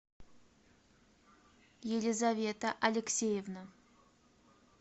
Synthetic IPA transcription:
jelʲɪzavʲe̞t̪əʔɐlʲɪksʲejevnə

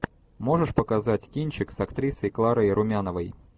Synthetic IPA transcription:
mo̞ʐɨʂpəkazatʲkʲinʲt͡ɕɪksɐkt̪ɾʲisəjklˠaɾəjɾʔʊmʲanəvəj

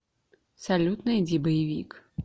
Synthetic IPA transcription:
sɐlʲut̪nɐid͡zʲibɐjivʲḭk

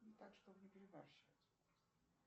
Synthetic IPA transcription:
nʲɪt̪akʂt̪obnʲɪpʲɪɾʲɪvarɕat̪ʲ

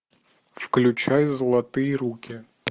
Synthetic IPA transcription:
fklʲʉt͡ɕajzəlˠɐt̪ɨjəɾukʲɪ

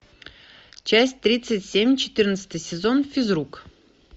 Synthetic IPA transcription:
t͡ɕæsʲtʲt̪ɾʲit̪sɨtʲsʲemʲt͡ɕɪ̥t̪ɨrnət̪sə̥t̪əjsʲɪzo̞nfʲɪzruk

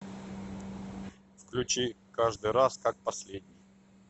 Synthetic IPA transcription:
fklʲʉt͡ɕi | kaʐd̪ɨjɾaskak̚pɐsʲlʲed̪ʲnʲɪj

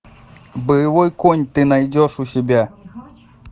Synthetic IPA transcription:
bɨjɪvojkonʲt̪ɨnɐjdʲoʂusʲɪbʲa

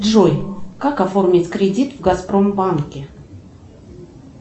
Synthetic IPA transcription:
dʐojkakɐfo̞rmʲɪtʲkɾʲɪdʲit̪vɡɐspɾo̞mbankʲɪ

